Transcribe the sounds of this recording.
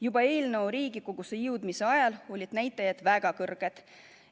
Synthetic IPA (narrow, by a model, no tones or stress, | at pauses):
jubɑe̞ːlnəoɾiːɡ̥ikoɡ̥usejɯwd̪mise̞ɑjɑlo̞lʲid̪̥næjt̪ːˑɑjɑd̪̥væɡ̥ɑkɤrɡ̥ed̪̥